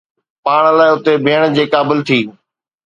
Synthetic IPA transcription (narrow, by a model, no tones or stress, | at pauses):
paːɽ̃laːɪʊt̪ebʱɪːəɽ̃d͡ʑeːkaːbɪlt̪ʰiː